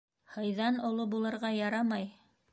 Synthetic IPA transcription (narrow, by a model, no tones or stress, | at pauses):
hɤ̆jðɑnŏlˠobulˠɤ̆ɾʁɑjɑɾɑmɑj